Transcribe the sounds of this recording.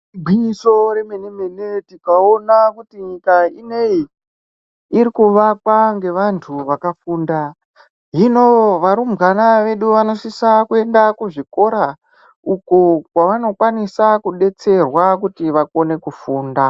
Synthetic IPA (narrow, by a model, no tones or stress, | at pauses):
iɡʱwiɲisoɾe̞meneme̞netikaonakutiɲikainei | iɾikuʋakwaŋɡe̞ʋantʰuʋakafuːnda | ɦino̞ʋaɾumɡanaʋe̞ɗuʋano̞sisakue̞ndakuʐiko̞ɾa | ukokwaʋano̞kwanisakuɗe̞t͡se̞rwakutiʋako̞ne̞kufuːnda